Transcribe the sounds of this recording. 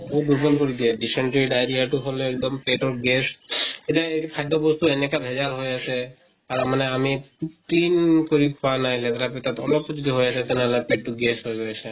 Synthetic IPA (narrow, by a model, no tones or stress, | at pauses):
obuɾbɔlkoɾid̪ieɖiseɳʈiɖajɾiaʈuɦoloɛk̚d̪ɔmpeʈɔɾɡeseʈaeikʰajɖobɔst̪uenekabʱed͡ʒalɦojat͡ʃʰe | aɾamaneamipuʈinkoɾikʰɔanajlet̪aɾapet̪at̪ɔ̰lɔpːd͡ʒod̪iɦojasʰɛt̪ɛneɦɔlapeʈʈuɡesɦojɡojasʰe